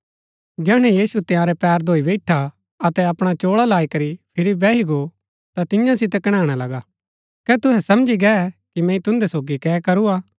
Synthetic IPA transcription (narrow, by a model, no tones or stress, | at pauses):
d͡ʒɛːɽ̃ɛ̃jiːsut̪ɪjãɾɛpɛːɾd̪ʱoːibɛɪʈʰa | ɐt̪ɛɐpɽ̃at͡ʃoːɽalaːikɐɾipʰɪɾibɛːɦiɡo | t̪at̪ɪjãsɪt̪̬ɛkɐɽ̃ãːɽ̃alɐɡa | kɛt̪ʊɦɛsɐmd͡ʒiɡɛkimɛ̃ːĩt̪ʊ̃nd̪ɛsoːɡikɛːkɐɾuaː